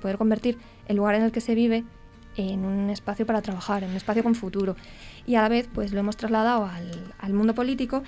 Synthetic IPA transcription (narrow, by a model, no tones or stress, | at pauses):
poðeɾko̞mbe̞ɾt̪iɾ | elːuɣaɾe̞ne̞lke̞se̞β̞iβ̞e̞ | enunne̞spaθjopaɾat̪ɾaβ̞axaɾenune̞spaθjo̞ko̞ɱfut̪uɾo̞ialaβe̞θpwe̞slo̞e̞most̪ɾazlað̞awalalmũnd̪o̞po̞lit̪iko̞